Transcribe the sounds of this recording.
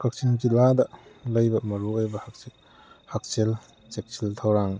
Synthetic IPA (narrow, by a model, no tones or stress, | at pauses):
kak̚t͡ʃind͡ʒiladɐlɐjbɐmɐɾuojbɐhak̚ | hak̚sel | t͡ʃek̚t͡ʃiltʰawɾaŋ